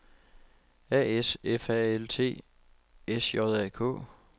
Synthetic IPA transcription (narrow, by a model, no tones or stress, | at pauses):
ɛ̰ːesefɛelt͡sʰe̝̰ː | esjɒðˠɛ̰ːkʰɔ̰̽ː